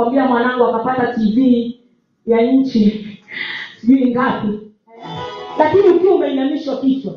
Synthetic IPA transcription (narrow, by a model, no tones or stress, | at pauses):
ambiamwanaŋɡwakapatativi | jaɲ̩t͡ʃi | siiŋɡapi | lakiniukiɔumɛiɲamiʃwakisa